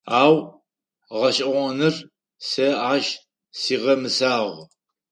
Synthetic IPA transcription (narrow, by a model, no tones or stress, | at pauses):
aːw | ʁɐɕʼɐʁʷɐnɨr | sɐaːʒ | siːʁɐmɨsaːʁ